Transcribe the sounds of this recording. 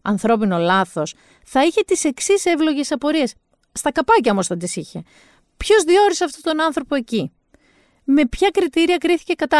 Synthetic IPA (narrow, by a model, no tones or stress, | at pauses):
ɐ̰nθɾo̞p̬ino̞lɐθo̞s | θɐiçe̞t̪ise̞ksise̞vlo̞ʝe̞sɐpo̞ɾie̞sː | t̪ɐkɐpɐcɐomost̪ɐd̪isiçe̞ | pço̞zðio̞ɾiseɐft̪o̞t̪o̞nɐnθɾo̞po̞e̞ci | me̞pçɐkɾit̪iɾiɐkɾiθi̥ce̞kɐt̪ɐ